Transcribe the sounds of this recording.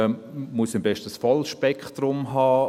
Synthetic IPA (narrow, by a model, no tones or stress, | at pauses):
muəsɪmbɛʃtəsfɔlʃpɛkχtɾʊmɦɑː